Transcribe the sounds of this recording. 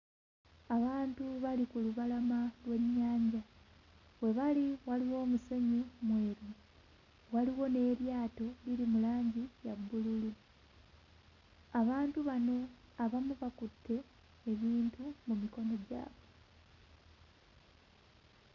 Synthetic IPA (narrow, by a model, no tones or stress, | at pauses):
aβaːntuβalikuluβalamalwe̞ɲːaːɲɟa | we̞βaliwaliwo̞ːmuse̞ɲumwe̞ːɾu | waliwo̞ne̞ːɾjaːto̞liɾimulaːɲɟijabːululi | aβaːntuβano̞ | aβamuβakutːe̞ː | βiːntumumiko̞no̞ɟa̰ːβe̞